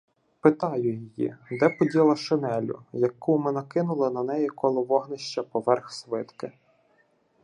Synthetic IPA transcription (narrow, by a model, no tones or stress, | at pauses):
pɪt̪ɑjʊjijḭd̪ɛpɔdʲilˠɐʃenɛlʲʊ̰jɐkːumɪnɐkɪnʊlˠɪnɐn̪ɛjikʰɔlˠɔʋɔɦnɪʃt͡ʃɐpɔʋɛrxsʋɪt̪kɪ